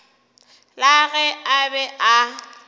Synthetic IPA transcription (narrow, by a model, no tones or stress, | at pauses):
laɣɛabɛʔa